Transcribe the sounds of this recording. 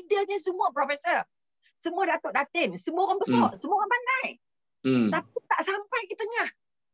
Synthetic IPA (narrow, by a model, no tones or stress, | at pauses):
idaɲəsəmuapɾɔfɛsər | səmuadat̪oʔdat̪ɪnsəmuaɣanbəsɔʔsəmuaɣanpandaj | t̪ap̚it̪aʔsampajkit̪əɲah